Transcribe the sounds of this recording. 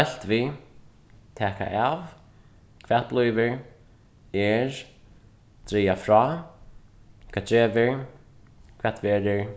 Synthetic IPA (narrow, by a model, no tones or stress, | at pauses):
ɛl̥t̪vi | t̪ʰɛːka̰ʔav | kʰvɛːt̪̚plˠɔːjvɪɹ | ɛɾ | t̪ɾiːafɾɔ | kʰɛ̥ːɛːvɪɹ | kʰvɛ̥t̪vɛːɾɪɹ